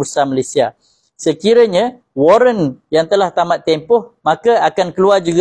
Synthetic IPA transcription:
ursamalesia | səkiɾəɲã | woɾənjaŋt̪əlaht̪amat̪ːempʊhmãkaakankəluard͡ʒuɡ

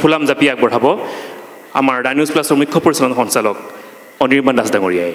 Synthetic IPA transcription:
pʰulamzapiak̚bɔɹabɔ | a̰maɹnanusplasɔɹmukʰːɔpoɹisɔnanxɔnsalɔk̚ | ɔniɹmandasdaŋoɹijaj

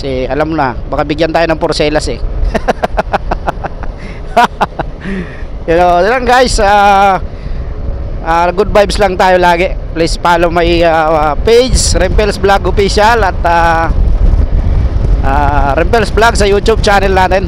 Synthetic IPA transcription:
sɛʔɐlamonɐbɐkabɪɡjant̪aːjonɐŋpoɾsɛːlɐsɛ | jɐnod̪ɪlaŋɡajɪsa | ʔaɡʊd̪̚bajbslaŋt̪aːjolaːɡɪʔplɪspaːlomɐjapejd͡ʒsɾɛmpɛlsblaɡopɪsalɐt̪a | ʔaːɾɛmpɛlsblaɡsɐjuːt̪ʊb̚t͡ʃaːnɛlnaːt̪ɛn

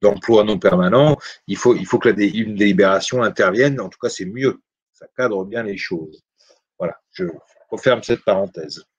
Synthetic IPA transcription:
d̪ɑ̃plwanɔ̃pɛʁmanɑ̃ilfoilfokəlad̪eynd̪elibeʁasjɔ̃ɛ̃t̪ɛʁvjɛnɑ̃t̪u̥kasɛmjø | sakad̪ʁəbjɛ̃leʃoz | vwalaʒ̥əəʁəfɛʁmsɛt̪̚paʁɑ̃t̪ɛːz

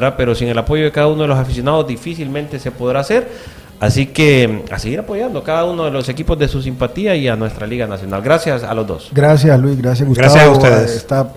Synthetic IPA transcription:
ape̞ɾo̞siŋe̞lapo̞ʝo̞ð̞ekaðauno̞ðelosafis̬jo̞naðo̞zd̪ifisilme̞nt̪e̞se̞po̞ðɾaːse̞ɾ | asike̞a̰seɣiɾapo̞ʝand̪okaðauno̞ðelo̞se̞kipo̞zd̪esus̬impat̪iaianwe̞st̪ɾaliɣanasjo̞na̰lɡɾasjasa̰lo̞zd̪o̞̰sɡɾas̬jaslwisɣɾas̬jaɡusɡɾaajasaust̪eðesest̪a

